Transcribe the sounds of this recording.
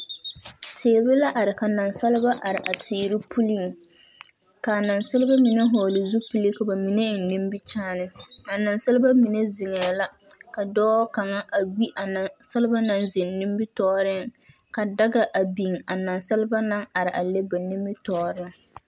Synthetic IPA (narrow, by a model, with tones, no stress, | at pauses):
tʰeː˨bɪ˦la˦ʔa˨ɾɪ˨ka˨na˨nsa˦lɪ˦ba˦ʔa˨ɾɪ˨ʔa˨tʰɪː˨ɾɪ˦pʰu˦li˦ŋ | ka˨na˨nsɪ˦lɪ˦ba˦mi˨ne˦ɦɔː˨lɪ˨zu˦pu˦li˦ka˨ba˨mi˨ne˦˨nɪ̃˦mbi˦t͡ʃaː˦nɪ˦a˨na˨nsɪ˦lɪ˦ba˦mi˨ne˦zɪ˨ŋɛː˨la˦ | ka˨dɔː˦ka˨ŋa˦ʔa˨wi˦ʔa˨sɪ˦lɪ˦ba˦na˦nzɪ˨nnɪ˦mbi˦tɔː˦ɾɪ˦ŋ | ka˨da˦ɡa˨ʔa˨bi˨ŋa˨na˨nsɪ˦lɪ˦ba˦na˦ŋa˨ɾɪ˨ʔa˨le˦ba˨ni˦mbi˦tɔː˦ɾɪ˦ŋ